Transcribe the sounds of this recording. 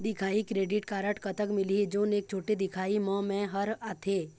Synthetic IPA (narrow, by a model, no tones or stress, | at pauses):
d̪ɪkʰaːikɾeːɖɪʈkaːɾəʈkɐt̪əkmɪlid͡ʒoːneːk̚t͡ʃʰoːʈed̪ɪkʰaːimɔ̃ːmẽɦɐɾaːt̪ʰeː